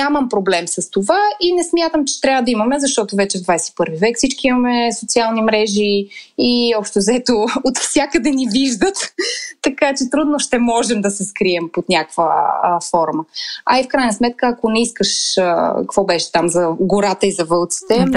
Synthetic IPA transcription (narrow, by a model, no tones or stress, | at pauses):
aməmpɾoblɛmsəst̪ovainɛsmʲjat̪əmt͡ʃɛ̥t̪ɾʲavəd̪ɐimɐmɛzɐʃt̪ɔt̪ovɛt͡ʃɛvd̪vajsɛi̥pɤɾvivɛkfsit͡ʃkiimɐmɛsot̪sialˠnimɾɛʒiː | ɔpʃt̪ɛzɐɛt̪oot̪fsʲjakəd̪ɛniviʒd̪ət̪ːɐkat͡ʃɛt̪ɾud̪noʃt̪ɛmɔʒɛmd̪ɐsɛskɾiɛmpot̪nʲakvə̰fɔɾməɐifkɾajnəsmɛt̪̚kəːkonɛiskəʃəkvɔbɛʃɛ̥t̪amzɐɡoɾat̪əizɐvɤlˠt̪si̥t̪ɛ